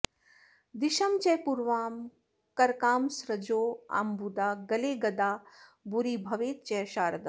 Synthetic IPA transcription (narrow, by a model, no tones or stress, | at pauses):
d̪iʃɐmt͡ʃɛɦpuɾʋaːm | kɐɾkaːmsɾɐd͡ʒoːa̰ːmbud̪aːɡɐleːɡɐd̪aːbuɾiːbʱɐʋeːt̪̚t͡ʃɛːʃaːɾɐd̪ɐ